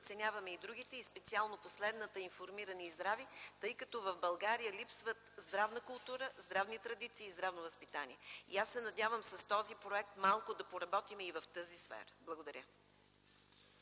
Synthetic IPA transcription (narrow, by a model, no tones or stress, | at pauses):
t̪sɛnʲjavɐmɛid̪ɾuɡ̟it̪ɛispɛt̪sialˠnoposlɛd̪nət̪əinfoɾmiɾəniːzd̪ɾavit̪ɤjkɐt̪ɔvəvbɐlˠɡaɾijəlipsvət̪zd̪ɾavnəkʊlˠt̪uɾəzd̪ɾavnit̪ɾɐd̪it̪siːzd̪ɾavnʊvəspit̪anḭɛiasːɛnɐd̪ʲavəmsɐst̪ɔzipɾoɛk̚t̪malˠkʊd̪ɐpoɾɐbɔt̪imivɐft̪əzisfɛ̰ɾəblˠəɡod̪ɐɾʲjə